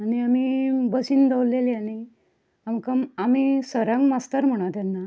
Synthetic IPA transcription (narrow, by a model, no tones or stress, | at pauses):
aɽ̃iamibəsiːnd̪əwlleliaɽi | amkəmamisəɾãŋɡmast̪əɾm̤əɽ̃at̪anːa